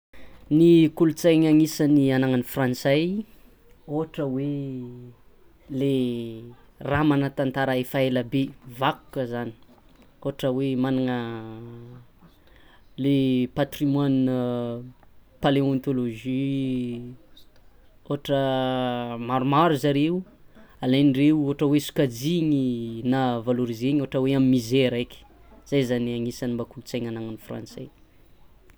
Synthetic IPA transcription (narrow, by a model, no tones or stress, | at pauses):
nikulut͡sajŋaŋisənianaŋanifrãnt͡saj | oaʈ͡ʂəwe | le | ramanət̪ant̪aɾəefaeləbevaku̥kəzani̥ | oaʈ͡ʂəwemanaŋə | lepat̪rimwan | paleont̪oloʒi | oɦaʈ͡ʂə | maɾumaɾuzaɾe | alajnireuoɦaʈ͡ʂəwesu̥kad͡ziŋinavaloɾizeɲoaʈ͡ʂəweamimizeɾajkʲi̥z̥ajzaniaŋisanimbakulut͡sajŋanaŋanifra̰nsḛ